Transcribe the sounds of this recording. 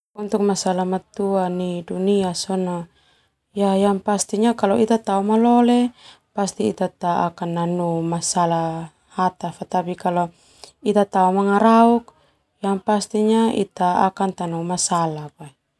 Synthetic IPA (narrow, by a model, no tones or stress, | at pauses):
unt̪uk̚masalamat̪uaniduniasɔnɔ | jajaŋpast̪iɲakalɔit̪at̪aumalɔle | past̪iːt̪at̪aa̰kanːanumasala | hat̪afat̪apikalɔ | it̪at̪aumaŋaɾauk̚ | jaŋpast̪iɲaḭt̪aakant̪anumasalapai